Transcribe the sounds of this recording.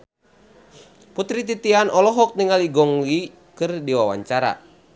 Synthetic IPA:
put̪ɾit̪̬it̪ianʔɔlɔɦɔk̚niŋaliɡɔŋli | kɨrdiwawa̰ɲt͡ʃaɾa̰

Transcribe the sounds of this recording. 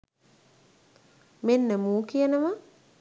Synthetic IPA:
menːəmuːkijənəʋa

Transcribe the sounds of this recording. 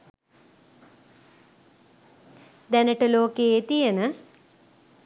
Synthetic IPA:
d̪ænəʈəloːkeet̪ijenə

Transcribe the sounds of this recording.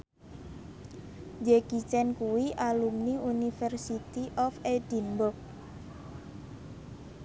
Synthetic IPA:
d͡ʒeɡ̥it͡ʃɛnkuwiʔalumniunifɛrsit̪iʔɔfedinbʊk̚

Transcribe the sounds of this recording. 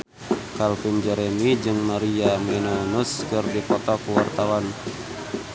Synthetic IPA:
kalpind͡ʒɛɾɛmid͡ʒɨŋmaɾiamɛnɔnuskɨrdipɔt̪ɔkuwart̪awan

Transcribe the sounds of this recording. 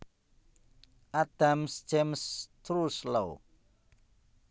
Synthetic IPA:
ʔad̥amsd͡ʒ̥emst̪ɾuslo

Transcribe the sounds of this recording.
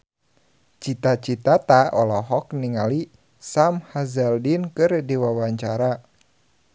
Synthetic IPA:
t͡ʃit̪at͡ʃit̪at̪aɔlɔɦɔkniŋali | samhazɛldinkɨrdiwawaɲt͡ʃaɾa

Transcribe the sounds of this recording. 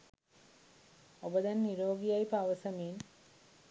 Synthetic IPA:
obɐd̪ɐnːiɾoːɡijɐjpaʋɐsɐmiːn

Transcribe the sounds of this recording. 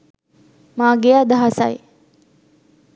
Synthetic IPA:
maːɡejaːd̪aɦasa̰je

